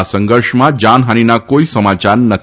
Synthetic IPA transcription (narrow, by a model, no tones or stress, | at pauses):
asə̃ŋɡəɾʂmãd͡ʒanɦaninakoisəmat͡ʃaɾnət̪ʰ